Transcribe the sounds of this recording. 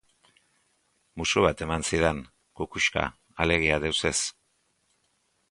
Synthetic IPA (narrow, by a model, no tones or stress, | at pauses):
musuβat̪e̞mansiðen | kukuʃka̰ | ale̞ɣ̞iaðewse̞s